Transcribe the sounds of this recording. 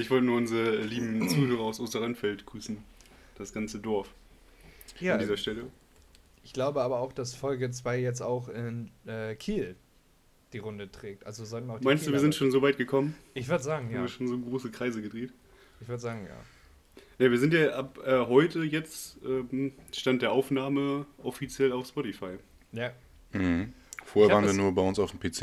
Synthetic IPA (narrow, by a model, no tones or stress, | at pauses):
ʔɪçv̥ɔltənuɐʔʊnzəʁəɛliːbm̩t͡suːhøːʁɐaʊsʔoːstɐʁanfɛltɡ̥ʁyːsn̩d̥asɡ̥ant͡sədɔɐf | jaːaːndiːzɐʃtɛlə | ʔɪçɡ̥laʊbəʔaːbɐaʊxd̥asfɔlɡət͡sv̥aɪjɛt͡staʊxʔɪnʔɛːkʰiːl | d̥iːʁʊndətʁ̥ɛːk̚tʔa̰lzozamaʊxmmaɪnsdduːviːɐzɪntʃoːnzoːvaɪtɡ̥əkʰɔmənʔɪçv̥ʏɐdəzaːɡŋ̩jaːmviːɐʃoːnzoːɡʁoːsəkʁ̥aɪzəɡədʁeːt | ɪçv̥ʏɐdəzaːɡŋ̩ja̰ː | naviːɐzɪntjaːʔapʔɛːɦɔʏtəjɛt͡stʔɛːmʃtantd̥eːɐʔaʊfnaːməʔɔfit͡sjɛlaʊfspɔtifaɪ | ja | m̩h̩ | foːheɛɐaːʁnviːɐnuːɐbaɪʊnsaʊfm̩pʰeːt͡seː